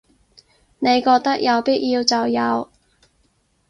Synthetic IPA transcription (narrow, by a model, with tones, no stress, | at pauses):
ne˨˧jkɔː˧k̚t̪ɐ˥k̚jɐ˨˧wpi˥t̚jiː˧wt͡sɐ˨wjɐ˨˧w